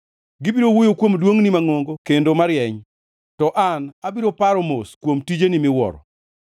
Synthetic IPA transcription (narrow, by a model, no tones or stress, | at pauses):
ɡɪbiɾowojokwomdwoŋnimaŋoŋɡokendomaɾjɛɲ | tɔʔanabiɾopaɾɔmoskwomtid͡ʒenimɪwɔ̰ɾɔ̰